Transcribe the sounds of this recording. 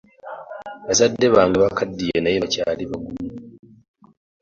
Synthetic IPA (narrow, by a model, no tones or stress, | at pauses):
βasadːeβaːŋɡeβakadːijenajeacaːliβaɡumu